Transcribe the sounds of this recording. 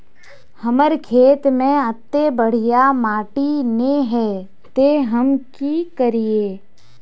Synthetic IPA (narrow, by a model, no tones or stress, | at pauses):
həməɾkʰeːt̪mẽət̪ːebəɽ̤ijamaːʈineɦɛː | t̪eɦəmkikəɾieː